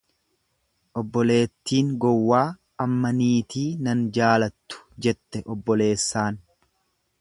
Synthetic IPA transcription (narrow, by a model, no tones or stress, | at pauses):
ʔɔbːɔle̞ːt̪ːiːŋɡɔwːaː | ɐmːɐniːt̪iːnɐnd͡ʒaːlɐt̪ːʊ̥d͡ʒɛt̪ːɛʔɔbːɔle̞ːsːaːn